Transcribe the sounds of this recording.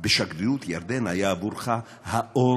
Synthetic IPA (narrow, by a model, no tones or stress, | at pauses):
beʃaɡɾijut̪jaɾd̪enhajaːvuɾχa | haʔo